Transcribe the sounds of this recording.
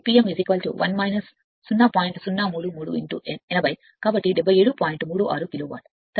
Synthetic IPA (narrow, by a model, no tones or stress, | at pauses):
piːemʋizikɐlʈṵʋʔɐ̰nmɐjnɐsː | unːaːpaːjiɳʈsunːaːmuːɽumuːɽuḭɳʈṵʔenɛnɐbɐj̪ | kaːbɐʈːiɖebːɐjeːɽupaːjiɳʈmuːɽuʔa̰ːɾukiloːʋa̰ːl | t̪